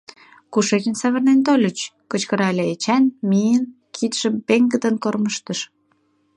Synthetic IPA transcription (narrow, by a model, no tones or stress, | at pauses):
kuʃet͡ɕənsɑβə̆rnent̪̬olʲət͡ɕkət͡ɕkəɾɑlʲeet͡ɕænmijən | kʰit̪ʃəmpeŋɡə̆d̪ənkorməʃt̪əʃ